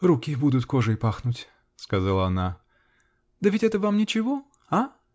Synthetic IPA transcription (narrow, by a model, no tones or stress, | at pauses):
rukʲɪbud̪ʊt̪ko̞ʐɨɪpaxnutʲ | skɐzalˠəɐna | d̪əvʲɪtʲɛt̪əvamnʲɪt͡ɕɪvo | a